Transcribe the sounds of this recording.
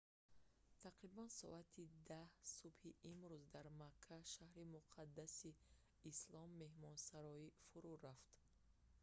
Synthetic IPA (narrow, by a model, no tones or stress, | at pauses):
t̪ʰaqɾibansɔ̰ʔat̪ʰid̪ahsubhiʔimɾuzd̪aɾmakʰːaʃahɾimuqʰad̪ːasiː | slɔmːe̞hmɔnsaɾɔifuɾuɾaft̪